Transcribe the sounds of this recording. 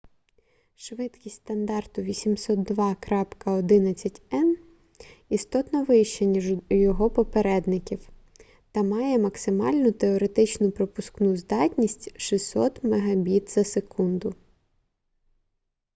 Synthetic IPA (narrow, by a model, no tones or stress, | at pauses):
ʃʋɪt̪kʲisʲt̪ʲt̪ɐnd̪ɑrt̪ʊʋʲisʲimsɔt̪̚d̪ʋɑkɾɑpkɐɔd̪ɪnɐt͡sʲːɐtʲɛn | ist̪ɔt̪nɔʋɪjʃt͡ʃɛnʲijɔɦɔpɔpeɾɛd̪nɪkʲiw | t̪ɐmɑjɛmɐksɪmɑlʲnʊt̪eɔɾe̞t̪ɪt͡ʃnʊpɾɔpʊsknuzd̪ɑtʲnʲisʲtʲʃisɔt̪meɦɐbʲit̪z̥ɐsekund̪ʊ